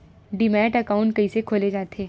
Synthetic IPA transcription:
ɖimɛːʈɐkaːʊ̃ɳʈ̚kɐisekʰoːled͡ʒaːt̪eː

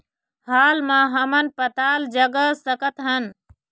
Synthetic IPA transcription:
haːlmãːɦəmənpət̪aːld͡ʒəɡəsəkət̪ɦən

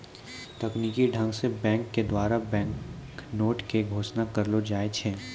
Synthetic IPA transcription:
t̪ɐkniːkiɖʱə̃ŋɡsebɛ̃ːŋkːed̪waːɾabɛ̃ːŋknoːʈkeɡʱoːʃnakɐɾlod͡ʒaːet͡ʃʰeː

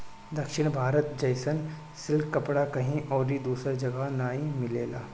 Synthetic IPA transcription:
d̪ɐkʃɪɽ̃bʱaːɾət̪d͡ʒɐjsən | sɪlkkːɐpɽakɐɦĩʔɔːɾid̪uːsad͡ʒɐɡanaːĩmɪleːla̰ː

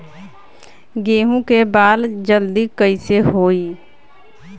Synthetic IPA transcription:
ɡeːɦũkebaːld͡ʒəld̪ikəɪseɦoːi

